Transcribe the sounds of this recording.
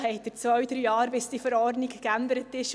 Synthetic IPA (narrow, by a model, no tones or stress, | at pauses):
ɦɛɪt̚d̥əɾt͡svœɥd̪ɾyːɑːɾbɪsd̥ifəɾɔrdnɪkkænd̪əɾətɪʃ